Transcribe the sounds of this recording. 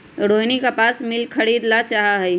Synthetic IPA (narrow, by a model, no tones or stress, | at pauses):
ɾoːjnikapaːsmɪlkʰəɽiːd̪lat͡ʃaɦaɦɛi